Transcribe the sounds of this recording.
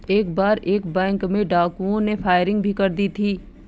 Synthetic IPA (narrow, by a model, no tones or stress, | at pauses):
eːkbaːɾʔeːkbɛ̃ːŋkmẽɖaːkuõnefʰaːɪɾɪ̃ŋɡ̚bʱikɐɾd̪it̪ʰiː